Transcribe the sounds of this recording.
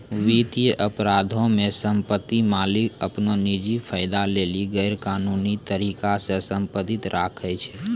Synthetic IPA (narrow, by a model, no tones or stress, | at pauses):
ʋit̪ijʔəpɾad̪ʱõmesəmpət̪ːimalikəpnonid͡ʒipʰəɪd̪aleliɡɛjɾkaːnunit̪əɾikasẽsə̃mpət̪it̪ɾʔakʰɛt͡ʃʰɛ